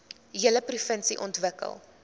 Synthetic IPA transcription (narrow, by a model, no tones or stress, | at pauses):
ɦiələprifənsiʔɔntvəkə̰lˠ